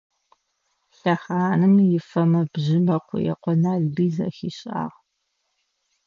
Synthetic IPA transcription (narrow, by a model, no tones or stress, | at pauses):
ɬɐχaːnɨmjɪfɐmɐbʑɪmɐqʷʰʊjɛ̰qʷɔnaːɮbiːzɐ̰xiːɕʼa̰ːʁ